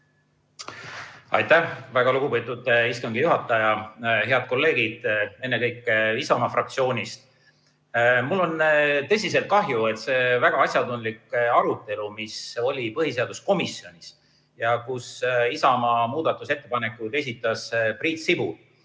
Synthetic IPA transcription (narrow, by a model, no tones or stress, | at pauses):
ɑ̰jt̪ævæɡ̥ɑluɡ̥upet̪ːˑud̪̥iskɑŋɡ̥ejuɦɑt̪ːˑɑjɑɦe̞ɑd̪̥̚ko̞lːe̞ːɡid̪̥e̞nːe̞kɤjkːˑeisɑmɑfrɑkt̪sio̞ːnʲist̪ | mulːo̞nt̪ɤ̞s̬ʲis̬e̞lt̪̚kɑɦjue̞t̪se̞ːvæɡ̥ɑɑsʲjɑt̪und̪likɑɾut̪ːˑe̞lumiso̞lʲipɤɦise̞ɑd̪̥usko̞misjo̞nʲis | jɑkusisɑmɑmuːd̪̥ɑt̪ːˑuse̞t̪ːˑe̞pɑne̞kːˑut̪e̞sʲit̪ːˑɑspriːt̪sibu